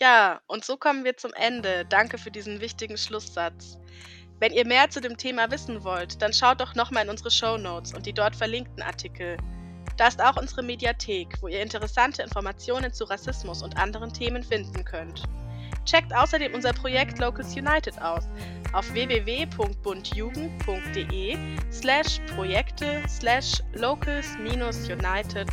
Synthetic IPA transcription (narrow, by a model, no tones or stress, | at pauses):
jaːʔʊntz̥oːkʰɔmənviːɐt͡sʊmʔɛndəd̥aŋkəfyːɐdiːzn̩vɪçtɪɡŋ̩ʃlʊsz̥at͡s | vɛniːɐmeːɐt͡sudeːmtʰeːmavɪsn̩vɔltd̥anʃaʊt̚d̥ɔχnɔχmaːlɪnʔʊnzəʁəʃoʊnoːt͡sʊntd̥iːdɔɐtfɛɐlɪŋk̚tn̩ʔa̰ɐtʰikʰl̩ | d̥aːɪstaʊxʔʊnzəʁ̞əmedjatʰeːkv̥oːiːɐɪntəʁ̞ɛsantʰəɪnfɔɐmat͡sjoːnənt͡suʁasɪsmʊsʊntʔandəʁ̞əntʰeːmənfɪndn̩kʰœnt | t͡ʃɛk̚tʔaʊsɐdeːmʔʊnzɐpʁ̥ojɛktʰloːkl̩sjunaɪtɪtʔaʊs | ʔaʊfv̥eːveːveːpʰʊŋkt̚b̥ʊntʰjuːɡŋ̩tpʰʊŋk̚t̚d̥eːʔeː | slɛʃpʁ̥ojɛktʰəslɛʃloʊkʰl̩smiːnʊsjunaɪtʰɪt